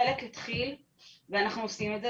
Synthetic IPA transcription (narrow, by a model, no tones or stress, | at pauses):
eleklit̪χil | veanaχnuosimeze